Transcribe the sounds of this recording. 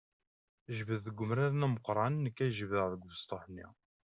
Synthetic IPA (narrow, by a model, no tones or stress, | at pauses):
ʒvəðːəɡʷːʊmɾaɾnæməqɾˤɑnnːəkːæʒvəʁðəɡʷvəst̪ˤoħnːḭ